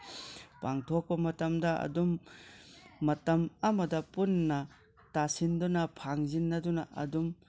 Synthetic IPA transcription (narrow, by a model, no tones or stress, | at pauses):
paŋtʰok̚pɐmɐtɐmdɐɐ̰dumː | ɐtɐmɐmɐdɐpunːɐ | tasindunɐpʰaŋzinːɐdunɐɐ̰dum